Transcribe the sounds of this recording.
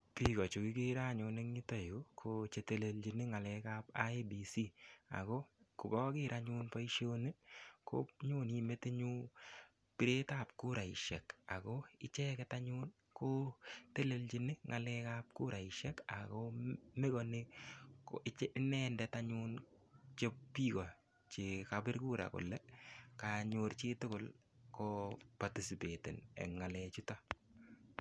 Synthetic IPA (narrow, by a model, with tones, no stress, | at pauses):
pi˦kɔ˨t͡ʃu˨ki˦ki˦ɾa˦ɲune˦ŋi˦tɔ˦˨jo˦kʰot͡ʃe˦te˦le˨lt͡ʃi˨ni˦ŋa˨lɛ˦ka˦pa̰˦i˦bi˨si˦a̰˨ko˦kʊ˨ɡɔ˦kɪ˦ɾʔa˦ɲu˦npa˦iʃo˦ne˦kʰo̰˦ɲu˦ni˨me˦te˦ɲu˦ | pi˦ɾe˦ta˦˨p̚ku˦ɾa˨iʃɛ̰˨ka̰˨ko˦ɪ˦t͡ʃɛ˦kɛta˦ɲu˦n | ko˦te˦lelt͡ʃi˦nɪ˦ŋʔa˨lɛ˦kap̚ku˦ɾa˨ɪʃɛka̰komɪ˦kɔnɪkoɪ˦t͡ʃnɛ˦ndɛtaɲʊn | t͡ʃe˦piː˦kɔ˨ | t͡ʃekabɪ˦ɾkuː˦ɾa̰˨kʊ̰˨lɛkaɲʊɾt͡ʃɪ˦tʊ˦kʊ˨lkɔpa˨ti˨si˨pe˨tɪ̰˨nɛ̰˨ŋa˨lɛt͡ʃuta